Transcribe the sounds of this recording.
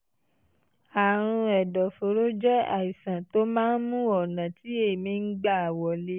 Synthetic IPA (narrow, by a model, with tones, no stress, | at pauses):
a˨ɾ̃ũ˧ɛ˨dɔ˨fo˨ɾo˦d͡ʒɛ˦a̰˨i˨sã˨to˦mãː˦n̩˦mũ˦ɔ˨nã˨ti˨˦e˦˨mĩ˧ŋ̩˦ɡ͡ba˦˨a˨wɔ˨le˨˦